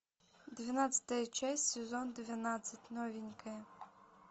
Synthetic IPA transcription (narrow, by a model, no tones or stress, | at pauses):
d̪ʋʲinɑt͡sʲɐ̥t̪ɐjt͡ʃɛsʲsʲezɔnd̪eʋʲjɐnɑt͡sʲːɐtʲnɔʋʲinʲkɪ